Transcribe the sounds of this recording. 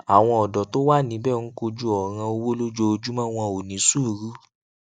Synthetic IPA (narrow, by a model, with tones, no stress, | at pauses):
a˨w̃ɔ̃˧ɔ˨dɔ˨to˦wa˦˨nĩ˨˦bɛː˦˨n̩˦ko˧d͡ʒu˦ɔ˨ɾ̃ã˧o˧wo˦lo˦d͡ʒo˧o˧d͡ʒu˦mã˦w̃ɔ̃˧o˨nĩ˨˦su˦˨ɾu˨˦